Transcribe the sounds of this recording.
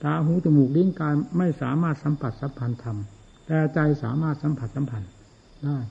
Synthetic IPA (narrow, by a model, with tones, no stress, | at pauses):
t̪aː˧ɦuː˨˦˥t̪u˧˩muː˨˩k̚li˦˥˨ŋkaː˧jma˥˩jsaː˩˦maː˥˩t̪̚sa˨˦mpʰa˨˩t̪̚sa˨˦˥mpʰa˧nt̪ʰa˧m | t̪ɛː˧˩t͡ɕa˧jsa̰ː˩˦maː˥˩t̪̚sa˨˦mpʰa˨˩t̪̚sa˨˦mpʰa˧n | daː˥˩j